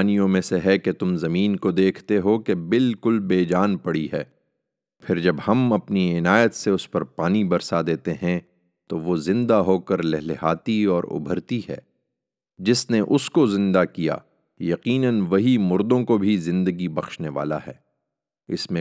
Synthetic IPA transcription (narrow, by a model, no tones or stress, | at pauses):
nijõmẽseɦɛket̪ʊmzɐmiːnkod̪eːkʰt̪eɦokebɪlkʊlbeːd͡ʒaːnpɐɽiɦɛː | pʰɪɾd͡ʒɐbhɐmɐpniɪnaːjət̪seʊspɐɾpaːnibɐɾsad̪eːt̪eɦɛ̃ | t̪oʋozɪ̃nd̪aɦoːkɐɾlɛɦleɦaːt̪iɔːɾʊ̰bʱəɾt̪iɦɛ̰ː | d͡ʒɪsneʔʊskozɪ̃nd̪akija̰ː | jɐqiːnənʋɐɦimʊɾd̪õkobʱizɪ̃nd̪əɡibɐxʃneʋa̰ːla̰ɦɛ̰ː | ɪ̰smẽ